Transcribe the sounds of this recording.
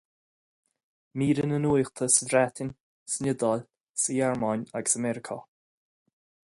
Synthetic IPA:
miːɾənənujxt̪ʰəsədɾat̪ʰɪnʲ | sənʲɪd̪ɔl | səjaɹmanʲaɡəsəmɛɾɪkʰə̰

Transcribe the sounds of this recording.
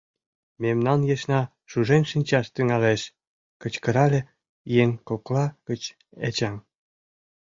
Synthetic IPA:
memnɑnjeʃnɑ | ʃuʒenʲʃinʲt͡ɕɑʃt̪yŋɑleʃ | kə̆t͡ɕkə̆ɾɑlʲĕ | jeŋkoklɑkə̆t͡ɕ | et͡ɕɑm

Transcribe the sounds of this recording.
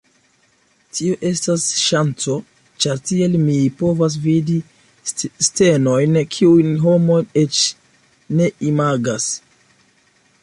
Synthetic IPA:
tʰioʔe̞stasʃant͡so̞ | t͡ʃaɾtie̞lmipo̞vas̬vidi | ste̞nojnkʰiujnɦo̞mo̞je̞t͡ʃ | ne̞imaɡas

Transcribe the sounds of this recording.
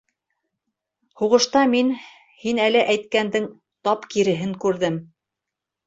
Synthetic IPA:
huʁɤ̆ʃt̪ɑmin | hinælɘʔæjt̪̚kænd̪ɘŋ | t̪ɑpkiɾɘ̆ɦɘŋkʉɾðɘm

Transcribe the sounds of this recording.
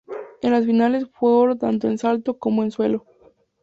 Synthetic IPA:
enlasfinale̞sfweoɾot̪ant̪̬o̞e̞nsalt̪o̞ko̞moe̞nswe̞lo̞

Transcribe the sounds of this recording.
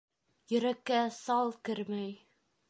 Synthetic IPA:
jɵ̆ɾækːæsɑlˠkɘ̆ɾmæj

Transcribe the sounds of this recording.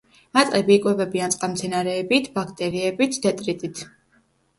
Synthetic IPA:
mat̪sʼqʼɛbiːkʼwɛvɛbiant̪sʼqʼamt̪sʰɛnaɾɛːbit̪ʰbakʰt̪ʼɛɾiɛbit̪ʰd̪ɛt̪ʼɾit̪ʼit̪ʰ

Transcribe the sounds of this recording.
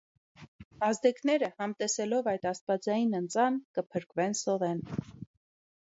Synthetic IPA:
ɑzd̪ɛknɛɾəhɑmt̪ɛsɛlɔvɑjt̪ɑst̪̚vɑd͡zɑjinənt͡sɑnkəpʰəɾkvɛnsɔvɛn

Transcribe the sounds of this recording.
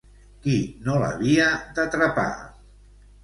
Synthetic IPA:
kinolə̰βiəd̪at̪ɾapa̰

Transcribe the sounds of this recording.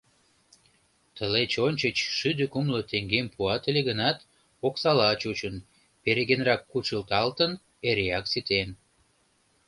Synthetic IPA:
t̪əlet͡ɕonʲt͡ɕət͡ɕʃyd̪əkumlot̪eŋɡempuɑt̪əleɣənɑt̪ | oksɑlɑt͡ɕut͡ɕən | peɾeɣenrɑkːut͡ʃəlt̪ɑlt̪ən | eɾeɑksit̪en

